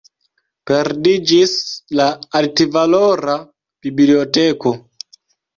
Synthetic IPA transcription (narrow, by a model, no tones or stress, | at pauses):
peɾdid͡ʒislaːltivaloɾa | b̥ibllioteko